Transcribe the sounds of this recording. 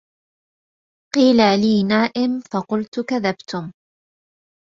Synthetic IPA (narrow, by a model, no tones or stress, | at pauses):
qiːlaliːnaːʔɪmfɑqʊlt̪ʊkaðabt̪ʊm